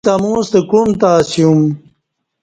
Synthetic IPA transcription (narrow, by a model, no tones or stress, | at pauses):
t̪ɐmũːst̪əkumt̪aːsijum